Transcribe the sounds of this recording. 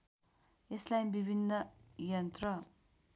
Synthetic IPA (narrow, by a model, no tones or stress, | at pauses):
eslajbibʱinːʌjʌnt̪rʌ